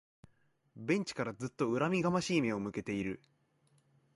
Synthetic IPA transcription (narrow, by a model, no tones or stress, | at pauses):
bẽ̞ɲ̟t͡ɕi̥kaɾazɨt̪ːo̞ɯ̟ɾamʲiɡamaɕiːmẽ̞o̞mɯ̟ke̞t̪e̞iɾɯ̟